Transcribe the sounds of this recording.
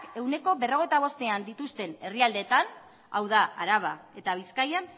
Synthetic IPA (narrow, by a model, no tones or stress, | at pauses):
ke̞wne̞ko̞βeroe̞jt̪aβ̞o̞st̪e̞and̪it̪ust̪e̞ne̞riald̪e̞ːt̪an | a̰wðaʔaɾaβ̞ae̞t̪aβ̞iskaja